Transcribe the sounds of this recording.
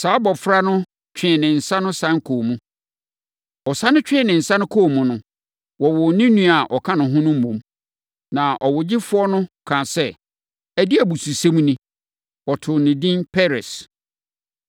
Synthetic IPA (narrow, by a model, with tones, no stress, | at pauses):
sa˨˦bɔ˨fɾa˦nʊ̃˦ | t͡ɕᶣɪ̃˦˨nɪ̃˨n̩˨sã˦nʊ̃˦sã˦ŋkʰoː˨mũ˦ | ɔ˨sa˦nʊ̃˦t͡ɕᶣɪ̃˦˨nɪ̃˨n̩˨sã˦nʊ̃˦kʰo˦˨mũ˨nʊ̃˦ | wɔ˨wɔ˨nĩ˦nũ˦a˨ʔɔ˨kʰã˦nʊ̃˨ɦʊ̃˦nʊ̃˦m̩˦mõ˨˦m | nã˨ʔɔ˨wʊ˨d͡ʑɪ˦fʊ˦ɔ˦nʊ̃˦kʰã˨sɛ˦ | æ˨di˦æ˨bu˨su˨sẽ˦m˦nĩ˦ | wɔ˨tʰʊ˨nɪ̃˨dĩ˦npʰɛ˦ɾɛ˨s